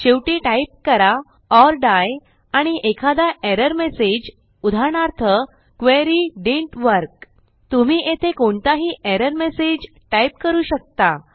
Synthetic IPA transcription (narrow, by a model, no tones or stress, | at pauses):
ɕeʋʈiːʈajp̚kəɾa | ɔɾɖaj | aɽ̃iʔekʰad̪aʔeɾəɾmesed͡ʑ | ud̪ʱaɳaɾt̪ʰə | kʋeɾiːɖeɳʈʋəɾk̚ | t̪um̤iːet̪ʰekoɳt̪aɦiːʔeɾəɾmesed͡ʑ | ʈajp̚kəɾuːɕək̚t̪a